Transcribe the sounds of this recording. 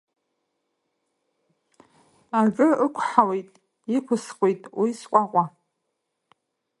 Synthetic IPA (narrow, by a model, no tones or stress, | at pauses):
aʒᶣʷʼʊɨkʷʰħawejtʼ | ikʷʰʊskʷʼejtʼwiskʷʼaqʷʼa